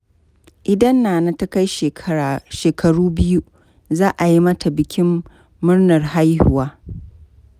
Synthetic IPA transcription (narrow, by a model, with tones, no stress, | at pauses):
ʔɪ˨dɐ˦nːaː˨na˦ta˦ka˦jʃeː˨ɐ˦aː˨ʃeː˨kʰɐ˨ɽuː˦bɪ˦ju˦ | zaː˦ʔa˨ji˦mɐ˦tʰa˨bɪ˨kʲɪ˦mː | ʊ˦rnɐ˨rɦa˦jhʊ˨waː˦